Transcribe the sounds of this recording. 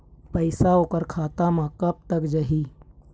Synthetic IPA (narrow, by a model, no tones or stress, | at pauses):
pəɪsaoːkəɾkʰaːt̪amãkəb̚t̪əkd͡ʒəɦiː